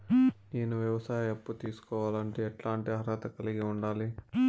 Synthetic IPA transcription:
neːnuʋjɐʋɐsaːjɐepːut̪iːsu̥kɔːʋaːlɐɳʈiɛʈlaːɳʈiɐɾaːt̪ɐkɐliɡiuɳɖaːli

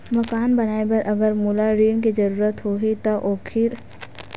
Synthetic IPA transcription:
mɐkaːnbɐnaːebɐɾʔɐɡəɾmuːlaɾiːnkid͡ʒɐɾuːɾət̪ɦoːɦit̪oʔoːkʰɪɾ

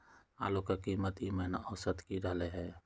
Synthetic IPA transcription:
a̰ːlokakimət̪imɛɦnaɔsət̪kiɾəɦleɦɛː

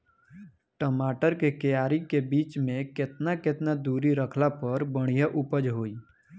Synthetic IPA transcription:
ʈəmaːʈəɾkekejaːɾikebiːt͡ʃmẽkɪt̪nakɪt̪nad̪uːɾiɾəkʰlapəɾbəɽ̃ijaʔʊpəd͡ʒɦoːiː

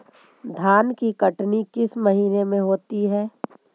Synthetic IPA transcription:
d̪ʱaːnkikəʈnikɪsmɐɦiːnemẽɦoːt̪iɦɛː

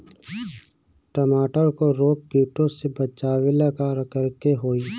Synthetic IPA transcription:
ʈəmaːʈəɾkoɾoːk̚kjuːʈõsebət͡ʃaːʋelakaːɾəkəɾkeɦoːiː

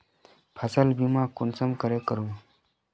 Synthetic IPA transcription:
pʰasəlbimãkunsəmkəɾekəɾũː

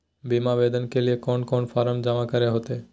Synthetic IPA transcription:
bimabed̪ɔnkeliekɔnkɔnfaɾəmd͡ʒamakaɾeɦot̪e

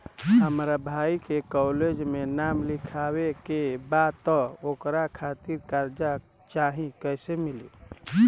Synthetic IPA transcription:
ɦəmɾabʱaikekɔled͡ʒmenamlikʰawekebad̪̚t̪ɔokɾakʰat̪iɾkaɾd͡ʒa | t͡ʃaɦĩkəjsemilḭ

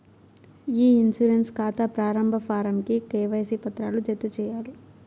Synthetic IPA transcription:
iːinsuɾenskaːt̪ɐpɾaːɾɐmbʱɐpʰaːɾɐmkikɛːʋɐjsipɐt̪ɾaːlud͡ʒet̪ːut͡ʃɛːjaːlu

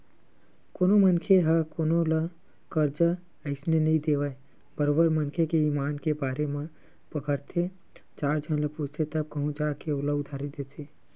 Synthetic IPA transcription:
koːnomənkʰeɦakoːnolə | kəɾd͡ʒə | əɪsnenəɦĩd̪eːʋəe | bəɾoːbəɾmənkʰekeiːmaːnkebaːɾemẽ | pəkəɾt̪ʰe | t͡ʃaːɾd͡ʒʱənləpud͡ʒt̪ʰet̪əb̚kəɦũd͡ʒaːkeoːləʊd̪ʱaːɾid̪eːt̪ʰe

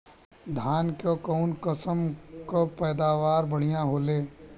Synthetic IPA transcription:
d̪ʱaːnkokɔːnkəsəmkopɛːd̪aːʋaːɾbɐɽ̤ijãɦoːleː

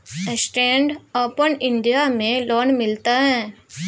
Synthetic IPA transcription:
ɛsʈɛ̃ːɳɖoːpənɪ̃ɳɖijamẽlɔːnmɪlt̪aɦɛ̃ː

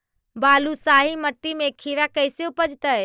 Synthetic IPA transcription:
baːlusaːɦiməʈ̪ːimekʰiʋakəjseopəd͡ʒt̪əe

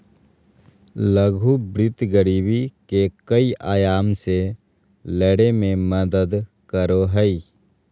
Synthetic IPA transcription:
ləɡʱubɾɪt̪ɡəɾiːbikekəiʔaːjaːmse | lɛːɽemẽməd̪əd̪ | kəɾoɦəi

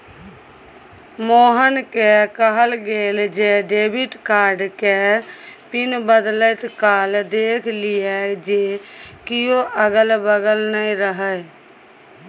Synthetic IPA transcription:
moːɦənkekəɦəlɡeːld͡ʒeɖeːbɪʈkaːɾɖkepɪnbəd̪lət̪kaːld̪eːkʰlɪjɛd͡ʒekɪjoʔəɡəlbəɡəlnəĩɾəɦə

